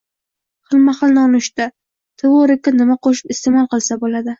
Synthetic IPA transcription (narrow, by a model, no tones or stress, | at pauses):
χɨlˠmaχɨlˠnɪɒnɪʃt̪a | t̪ʰɪwoɾɪkʲːanɪmaqʰoʃɪ̥pɪst̪emɒlˠqɨlˠsabolad̪ɪ